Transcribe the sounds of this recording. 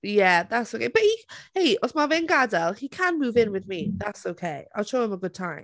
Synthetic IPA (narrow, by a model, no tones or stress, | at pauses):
jæðatsoʊkʰeɪb̥əʔhiheɪɔsmavɪnɡadəlˠhikʰə̃nmuːvɪ̃nwɪðmiðatsoʊkʰeɪa̰ɪlˠʃoʊɪ̃məɡʊd̥̚tʰãɪ̃m